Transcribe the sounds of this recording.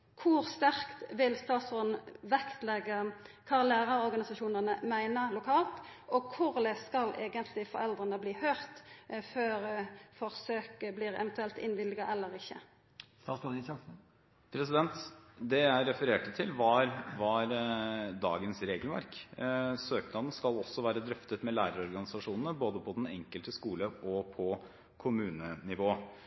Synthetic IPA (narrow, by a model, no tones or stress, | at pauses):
kʰʊɾst̪æʁkt̪ʋɪlst̪ɑːt̪sɔnʋɛkt̪lɛɡːəkʰɑːlæːɾɑɾɔɾɡɑnɪsɑʃuːnənəmæɪnəlʊkʰɑːlt̪ʔɔkʰʊʁd̪ɛskɑlʔeːɡənt̪ʰlɪfɔɾɛld̪ʁənəbliːhœʏʁt̪føːɾfɔʁsøːkəbliːʁɛ̰ʋɛnt̪ʉɛlt̪ɪnʋɪlɪɡɑʔɛlːəɾɪçːə̰ | sɑɑɪɑsn̩ | pʰɾɛsɪd̪ɛnt̪d̪ɛæɪɾɛfəɾeːʈət̪ʰɪlʋɑɾʋɑɾd̪ɑ̰ːɡənsɾeːɡəlʋæ̰ɾksøːknɑd̪n̩skɑlɔsːɔʋæːɾəd̪ɾœft̪ət̪mɛlæːɾəɾɔɾɡɑnɪsɑʂuːnn̩əboːd̪əpʰɔd̪ɛnɛŋkəlt̪əskuːləɔpʰɔ | kʰʊmʉːnənɪʋoː